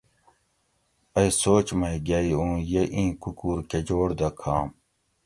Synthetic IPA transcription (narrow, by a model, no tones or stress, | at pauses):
ɐjsoːt͡ɕmɐjɡaiũːjeʔĩːkukuːɾked͡ʑoːɽd̪ɐkʰaːm